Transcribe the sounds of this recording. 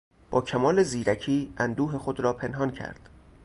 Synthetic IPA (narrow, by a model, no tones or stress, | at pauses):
b̥ɒːcʰæmɒːle̞ziːɾæcʰiːænd̪uːɦe̞xod̪ɾɒːpʰe̞nɦɒːncʰæ̰ɾd̪̥